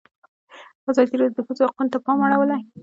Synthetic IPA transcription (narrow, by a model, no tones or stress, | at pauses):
azɑd̪iɾad̪d̪əxuzohaqunt̪apɑmaɽawəla